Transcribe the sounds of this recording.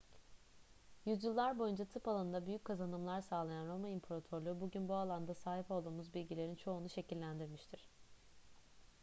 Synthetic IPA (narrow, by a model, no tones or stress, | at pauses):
jyzjilˠːaɾbo̞jund͡ʒat̪ʰɯpalˠanɯnd̪abyjyc̚kʰazanɯmlˠaɾsaːlˠajanɾo̞maimpʰoɾat̪ʰo̞ɾlˠubuɟynbualˠand̪asaːɦipo̞lˠd̪uːmuzbilʲɟilʲe̞ɾint͡ʃʰo̞ːnuʃe̞cʰilʲːænd̪iɾmiʃt̪ʰiɾ̥